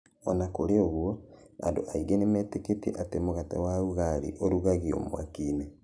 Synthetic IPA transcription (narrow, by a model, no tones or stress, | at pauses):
ɔnakoɾeoɣuɔa̰ndoʔaiɣenemɛːteketiɛ̰ʔatemoɣatɛ̰wauɣaɾḭʔoɾuɣaɣio̰mo̰a̰kiːne